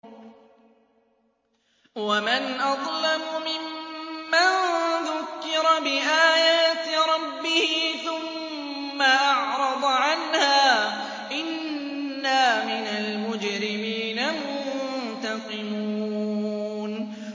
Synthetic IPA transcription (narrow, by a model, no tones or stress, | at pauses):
wamanʔɑd̪ˤlamʊmɪmːaðʊkːɪɾˤɑbɪʔaːjaːt̪ɾˤɑbːɪhɪθʊmː | aʔɑʕɾˤɑd̪ˤʕanhaː | ʔɪnː | aːmɪnalmʊd͡ʒɾɪmiːnamʊt̪ɑqɪmuːn